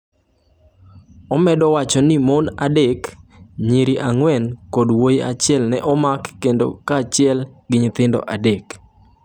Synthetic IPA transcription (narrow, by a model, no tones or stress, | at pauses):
ɔmɛdɔwat͡ʃɔnɪmonadekɲiɾiʔaŋwɛnkodwoja̰t͡ʃɪɛlnɛʔɔmakːendo̰kat͡ʃɪɛlɡɪɲt̪ɪndɔ̰ʔadek